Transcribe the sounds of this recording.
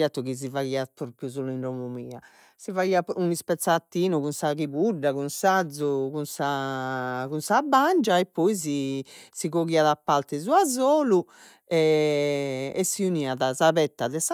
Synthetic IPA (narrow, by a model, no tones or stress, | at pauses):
at̪ːuɣiz̬ivaiːapɾopjuzoːluinromumiːa | sivaiːaunispɛt̪sːat̪ːiːnukunsaɣiβuɖakunsad̪zːukunsa | kunsabːand͡ʒaɛpːɔizisiɣoɣiːaðapːalt̪ɛzuazoːlu | ɛ | ɛsːiuniːaðazaβɛt̪ːaðɛsa